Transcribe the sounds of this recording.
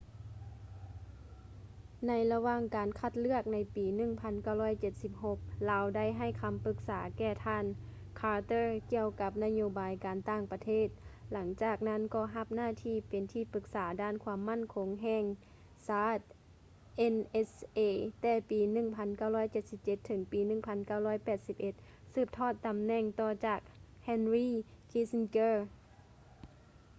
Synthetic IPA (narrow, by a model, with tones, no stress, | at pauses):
na˧jla˧waː˧˨ŋkaː˨˩nkʰa˧˩t̪̚lɯ˧˩ək̚na˧˥jpiː˨˦nɯ˧˩˨ŋpʰa˧˥nka˧˩wlɔː˧˥˩jt͡ɕe˧˦t̪̚si˧˥p̚ɦo˧˥k̚laː˨˧wda˥˨jɦa˧˩jkʰa˧mpɯ˧˥k̚saː˩˦kɛː˧˩t̪ʰaː˧˥˨n | kʰaː˧˥t̪ɤː˧˩ki˧əwka˧˦p̚na˧˥joː˧baː˨jkaː˨nt̪aː˧˩ŋpa˧t̪ʰeː˥˩˨t̪̚la˩˦ŋt͡ɕaː˧˩k̚na˧˥˨nkɔː˧˩ɦa˧˩p̚naː˧˥˨t̪ʰiː˧˩pe˨nt̪ʰiː˧˩pɯ˧˥k̚saː˩˦daː˧˩˨nkʰwaː˧əmːa˧˥˨nkʰo˨˧˦ŋɦɛː˧˩ŋ | saː˧˥t̪̚ | ʔe˧˥nʔe˧sʔeː˧˩t̪ɛː˧˩piː˨˧nɯ˧˩ŋpʰa˧˥nka˧˩wlɔː˧˥˨jt͡ɕe˧˩t̪̚si˧p̚t͡ɕe˧t̪ʰːɤ˩˦ŋpiː˨˦nɯ˧˩˨ŋpʰa˧˥nka˧˩wlɔː˧˥˨jpɛː˨˩t̪̚si˧˥p̚ʔe˧˦t̪̚ | sɯː˧˩p̚t̪ʰɔː˧˩t̪ːa˨mnɛ˧˩ŋt̪ɔː˧˩t͡ɕaː˧˨˩k̚ | hɛː˧˥˨nɾiː˧˥˨kʰiː˧˥snkeː˧˩